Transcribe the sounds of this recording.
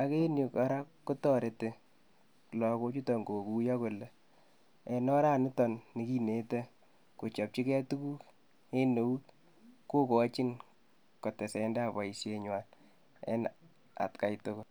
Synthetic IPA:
a˨˦ke˦nju˨ka˨ɾa˦kːo˦tɔ˦ɾe˨te˨ | lɔ˨ko˦t͡ʃu˦tɔ˨ŋɡo˨ku˦ja˦ko˨le˨ | ɛ˨nɔ˦ɾa˦˨nɪ˦tɔ˨nːi˨ki˦ne˨˦te˦ | ko˨t͡ʃɔ˨p̚t͡ʃi˦kɛ˦tu˦ku˦k | e˦no˨u˦ | ko˦ko˨˦t͡ʃɪ˦n | kɔ˨tɛ˨sɛ˨nda˦˨pa˨i˨se˦ɲwa˦n | ɛ̰˦n | a̰˨tka˨ito˦ko˦

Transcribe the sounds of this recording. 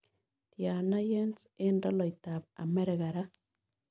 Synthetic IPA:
tja˨na˦jɛ˦nse˦ndɔ˦lɔ˨ita˨ba̰˨mɛ˦ɾɛɣa˨ɾa˦

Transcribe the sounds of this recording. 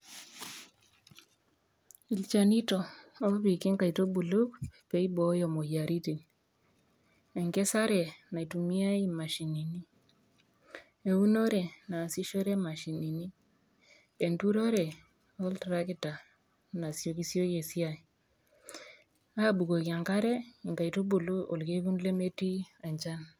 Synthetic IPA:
i˨lt͡ʃa˨ni˦to˨ɔ˦βi˨kɪ˦ŋka˨i˨to˦bu˨lu˦kpe˦i˦bɔ˨˦jɔ˨mo˨ja˨ɾi˦ti˨n | ɛ˨ŋkɛ˦sa˦ɾɛ˨na˨i˨tu˨mi˦a˦i˦ma˨ʃi˨ni˨ni˦ | e˨u˦no˦ɾɛ˨na˨si˦ʃo˦ɾe˦ma˨ʃi˨ni˨ni˦ | e˨ntu˦ɾo˦ɾɛ˨ | o˦ltaɾa˦kɪ˦ta˨ | na˨sjo˦ki˦sjo˦je˨si˦ai | a˦bu˨ko˨ka˨ŋka˦ɾɛ˦i˨ŋka˨ito˦bu˨lu˦o̰˨lke˦ku˦nle˦me˦ti˦a˨ɲd͡ʒa˦n

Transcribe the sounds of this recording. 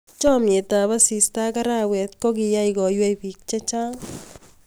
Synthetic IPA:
t͡ʃɔ˦me˨ta˨βa˦si˨sta˦ka˦ɾa˦wɛ˨t̪kɔ˦ki˨ja˦iɡɔ˨jwɛ˦jpi˨k̚t͡ʃɛ˦t͡ʃa˦ŋ

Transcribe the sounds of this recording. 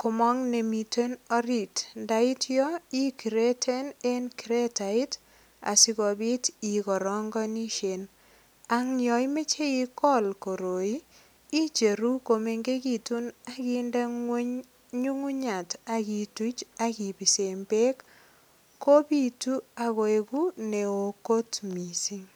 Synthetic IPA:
ko˨mɔ˦ŋne˨mi˨te˦nɔ˦ɾi˨tnda˨i˦tjɔ˦i˦ki˨ɾe˦tʰe˦ne˦nki˨ɾe˦ta˨i˦t | a̰˨si˦kɔ˨bi˦ti˨kɔ˨ɾɔ˦ŋɡɔ˦ni˦ʃe˨n | a˨ŋnjɔ˨i˦me˦t͡ʃe˦i˦kɔ˦lko˨ɾo˨i˦ | i˦t͡ʃe˨ɾu˦ko˨me˨ŋɡe˦ki˨tu˦na˦kindɛ˦ | ɲu˦ŋu˦ɲa˨ta˨ki˨tu˦t͡ʃa˦ki˨bi˨se˨mbe˦kː | o˦bi˦tua˨ko˨e˨ku˦ne˨o˨ko˦tmi˨si˦ŋ

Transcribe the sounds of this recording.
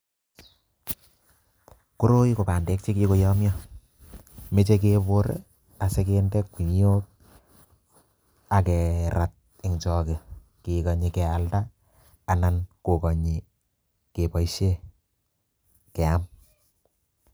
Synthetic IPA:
ko˦ɾo˦i˦ko˨paː˨ndɛ˨k̚t͡ʃi˦ki˦ko˨jɔ˦mjɔ˦ | me˦t͡ʃe˦k̬e˦po˦ɾḛ | a˨se˦keː˦ndɛ˦kːu˨ɲ˦o˦k̚ | a˨kɛ˨ɾa˨t̚ | ɪ˨ŋt͡ʃɔ˨ke˨ | ki˨ka˨ɲi˨kɛ˨a˨ltaː˦˨ | na˨nko˨kɔ˨ɲi˨ | ke˨pa˨iʃe˦ | kɛ˨a˦m

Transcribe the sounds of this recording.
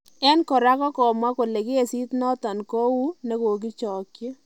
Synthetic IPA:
ɛ˦nkɔ˨ɾa˦kɔ˦kɔ˨mwa˦ko˨le˨kɪ˦e˨si˦t̪nɔ˦t̪ɔ˨nko˦wu˦nɛ˦ko˨k̬ɪ˦t͡ʃɔ˨kje˦

